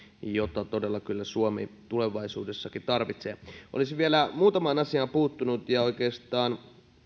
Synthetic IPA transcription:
jot̪ɑt̪odelːɑkylːæsuomḭt̪uleʋɑisṵːdesːɑkit̪ɑrʋit̪seʔo̰lisiʋielæmuːt̪ɑmɑːnɑsiɑːpuːt̪ːunut̪jɑoikeːst̪ɑːn

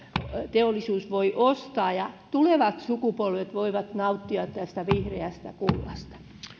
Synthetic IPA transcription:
t̪eolːˑisuːsʋoiʔost̪ɑːjɑt̪uleʋɑt̪sukupolʋet̪ʋoiʋɑt̪nɑut̪ːiɑt̪t̪æst̪æʋihreæst̪æ̰kulːɑ̰st̪ɑ̥

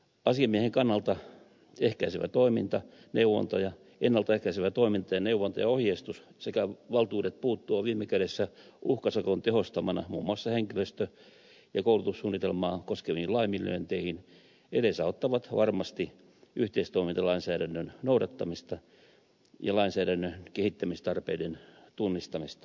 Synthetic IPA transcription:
ɑsiɑmieheŋkɑnːɑlt̪ɑ | ehkæiseʋæ̰t̪oimint̪ɑ | neuʋːo̰nt̪ojɑ | enːɑlt̪ɑehkæiseʋæt̪oimint̪ɑjɑneuʋːˑont̪ɑjɑohjest̪ussekæʋɑlt̪uːdet̪̚puːt̪ːuɑʋiːmːekæɾesːæuhkɑsɑkont̪ehost̪ɑmɑnɑ̰mṵːmːuɑsːɑheŋkiløst̪ø | jɑkoulut̪usːuːnːit̪elmɑːkoskeʋiːilɑimilːø̰ːnt̪eihin | edesæot̪ːɑʋɑt̪ʋɑrmɑst̪i | ʔyht̪eist̪oimint̪ɑlɑinsæːdænːønnoudɑt̪ːɑmist̪ɑ | jɑ̰lɑinsæːdænːøkehit̪ːæmist̪ɑrpeident̪unːist̪ɑmist̪ɑ̥

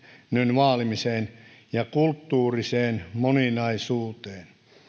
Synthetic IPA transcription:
nynʋɑːlimiseːn | jɑkult̪ːuːriseːnmoninɑisuːt̪eːn

